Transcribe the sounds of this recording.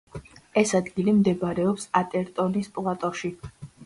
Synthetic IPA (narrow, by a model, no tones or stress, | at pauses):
ɛsad̪ɡilimd̪ɛbɾɛɔpsat̪ʼɛɾt̪ʼɔnispʼlˠat̪ʼɔʃi